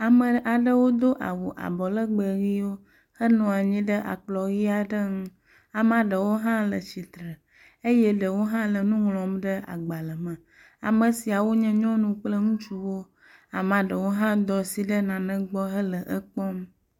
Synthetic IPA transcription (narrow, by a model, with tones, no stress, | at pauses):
a˨mə̃˨ʔa˨ɖə˦wo˦d̪o˦ʔa̰˨wo˨ʔa̰˨bɔ˨lə˦ɡ͡bə˨ɣi˦wo˦ | hə˦nɔ̃˨a˨ɲĩ˦ɖə˦ʔa̰˨k͡plɔ˨ɣi˦a˨ɖə˦ŋũ˦ | a˨mã˨ɖə˨wo˦ɦã˦lə˨t͡ɕi˨t̪ɾə˨ | e˦jɛ˦ɖə˨wo˦ɦã˦lə˨nũ˦ŋlɔ̃˨mɖə˦ʔa̰˨ɡ͡ba˨lə˨mə̃˨ | a̰˨mə˨si˨a˨wo˦ɲɛ̃˦ɲɔ̃˦nũ˨k͡plə˦ŋũ˦t͡ʃu˦wo˦ | a˨mã˨ɖə˨wo˦ɦã˦d̪ɔ˨si˨ɖə˦nã˨nə̃˦ɡ͡bɔ˦ɦə˦lə˨ʔə˦k͡pɔ˦m